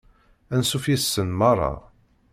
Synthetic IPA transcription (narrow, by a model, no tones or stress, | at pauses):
ænsufjisːənmɑrˤːɑ̰